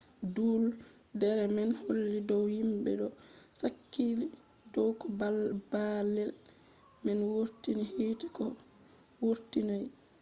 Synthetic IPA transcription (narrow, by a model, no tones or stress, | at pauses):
dul | dɛɾɛmɛnholːidɔwhimɓɛ̰ɗɔsakːili | dɔwkɔbalbalːɛl | mɛnwoɾtinihitikɔ | woɾtinaj